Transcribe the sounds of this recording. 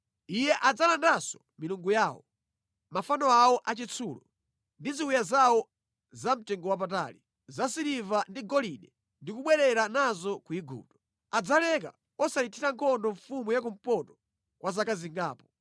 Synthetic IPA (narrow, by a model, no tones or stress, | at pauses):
ijɛʔad͡zalandasɔ̥ | miluŋɡujaːwɔ̰ | mafanɔawɔʔat͡ʃit͡sʰuːlɔ | ndiziwujazawɔ | zam̩tɛŋɡɔwap̬at̬a̰li | zasiɾivandiɡɔliɗɛ | ndikuɓwɛɾɛɾanazɔkuiɡṵːtɔ̥ | ad͡zalɛk̬a̰ | ɔsatitʰiɾaŋkʰɔndɔɱfumujak̬um̩pɔtɔ̥ | kwʔazakaziŋɡaːpɔ